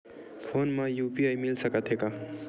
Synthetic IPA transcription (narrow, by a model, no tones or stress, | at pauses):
pʰonmajupiajmilsʌkat̪ʰeka